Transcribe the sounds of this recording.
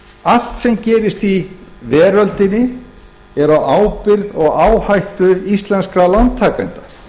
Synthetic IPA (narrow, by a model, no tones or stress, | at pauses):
al̥t̪sɛmcɛːɾɪst̪ivɛːɾœlt̪ɪnːɪ | ɛɾawʔaːwpɪɾðɔɣaːwhajht̪ʏist̪lɛnskɾalawnt̪ʰːaːkant̪ḁ